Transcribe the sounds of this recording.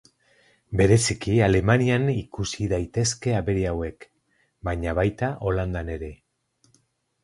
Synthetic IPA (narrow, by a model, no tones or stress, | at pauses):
be̞ɾe̞sikiale̞manianikusiðajt̪e̞ske̞aβe̞ɾeawe̞k | baɲaβajt̪aʔo̞land̪ane̞ɾe̞